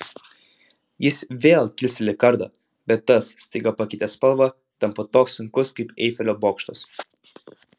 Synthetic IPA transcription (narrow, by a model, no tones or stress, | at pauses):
jɪsʋʲeːlʲˠk̪ʲilʲsʲɪlʲɪkɐɾd̪ɐ | bʲɛt̪ːɐssʲt̪ʲiɡɐpɐkʲit̪ʲɛspɐlˠʋɐ | t̪ɐmpɔt̪ɔːksʊŋkʊskɐpɛ̰ːfʲɛlʲobɔːkʃt̪ɐs